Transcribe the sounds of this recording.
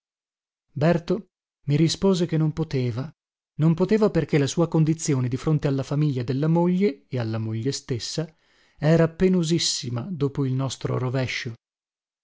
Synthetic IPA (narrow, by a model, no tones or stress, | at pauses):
bɛrt̪o | miɾispoːzek̟enːompot̪eːva | nompot̪eːvaperkelasuːakond̪it̪sːjoːned̪ifɾont̪ealːafamiʎːad̪elːamoʎːeealːamoʎːest̪esːa | ɛːɾapenozisːimad̪oːpoilnɔst̪ɾo̰ɾovɛʃːo